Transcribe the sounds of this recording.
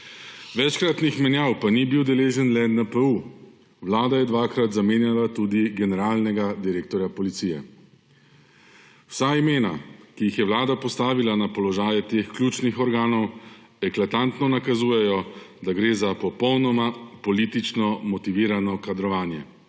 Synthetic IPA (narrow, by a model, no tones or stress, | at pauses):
ʋɛt͡ʃkɾat̪nixmɛnjawpanibiwd̪ɛleːʒənlɛnɛpəu | ʋlaːd̪ajɛd̪ʋaːkɾat̪zameːnjalat̪uːd̪iɡɛnɛɾaːlnɛɡad̪iɾeːk̚t̪ɔɾjapɔlit̪siːjɛ̰ | w̥saimeːna̰kijixjɛwlaːd̪apɔst̪aːʋilanapɔlɔʒaːjɛt̪eːxklʲjuːt͡ʃnixɔɾɡaːnɔw | ɛklat̪ant̪nɔnakazuːjɛjɔd̪aɡɾeːzapɔpɔwnɔmapɔliːt̪it͡ʃnɔmɔt̪iʋiːɾanɔkad̪ɾɔʋaːnjɛ̰